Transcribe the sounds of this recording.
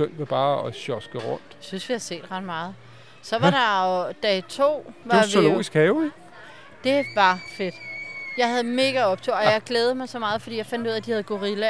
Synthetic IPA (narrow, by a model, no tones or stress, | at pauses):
øn̰ʋeb̥ɑ̈ːɒɕɒsɡ̥əʁɔn̰d̥synsʋihæse̝̰ːd̥ʁɑ̈d̥̚mɑ̈ːð̞̩ˠ | sɒ̽ʋɑ̈ɾɑd̥ɛɪt͡sʰo̝̰ːʋɑ̈ʋolo̝̰ːisɡ̥hɛːʊ | d̥e̝ʋɑ̈fe̝d̥jɑ̈ɪhæð̞̩ˠme̝ɡ̥æɒ̽b̥t͡sʰoɒ̽jɑ̈ɪɡ̥leːð̞̩ˠmɑ̈ɪsɒ̽mɑ̈ːð̞̩ˠfɒd̥ḭjɑaɪfænd̥uð̰ˠæd̥ihæð̞̩ˠɡ̥o̝ʁilæ